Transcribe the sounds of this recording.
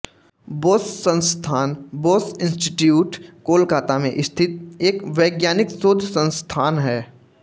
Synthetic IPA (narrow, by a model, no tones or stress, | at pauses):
boːssə̃nst̪ʰaːnboːsɪ̃nsʈɪʈjuːʈkoːlkaːt̪amẽʔɪst̪ʰɪt̪̚eːkʋeːɡjaːnɪksoːd̪ʱsə̃nst̪ʰaːnɦɛː